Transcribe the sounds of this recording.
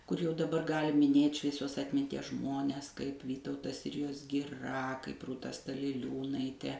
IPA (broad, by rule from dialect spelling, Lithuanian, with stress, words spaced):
kʊr jɛʊ dɐˈbɐr ˈɡɑːlʲɪ mʲɪˈnʲeːtʲ ʃʲʋʲiɛˈsʲoːs ɐtʲmʲɪnʲˈtʲiɛs ˈʒmoːnʲɛs kɐɪp ˈʋʲiːtɐʊtɐs ˈsʲɪrʲɪjoːs ɡʲɪˈrɐ kɐɪp ruːˈtɐ stɐlʲɪˈlʲuːnɐɪtʲɛ